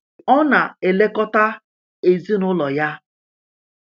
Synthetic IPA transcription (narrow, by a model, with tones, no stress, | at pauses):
ɔ˦na˨e˨le˦kɔ˦ta˦ | e˨zi˦nʊ˦lɔ˨ja˦